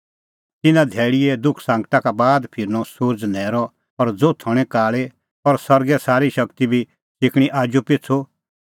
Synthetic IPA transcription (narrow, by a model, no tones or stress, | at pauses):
t̪ɪnãd̪ʱɛːɭijɛd̪ʊkʰsãːŋɡʈ̪akabaːd̪pʰɪɾnɔsʊɾd͡znɛːɾɔ | ɔɾd͡zoːt̪ʰɔɽ̃ɛ̃kaːɭe | ɔɾsɐɾɡɛsaːɾiʃɐkt̪ibʱi | sɪkʰɽ̃iʔaːd͡ʒupɪt͡sʰo